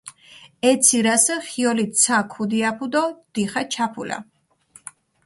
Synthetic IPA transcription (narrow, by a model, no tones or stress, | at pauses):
ɛt̪sʰiɾasəχiɔlisʰakʰud̪iapʰud̪ɔd̪̥iχat͡ʃʰapʰula̰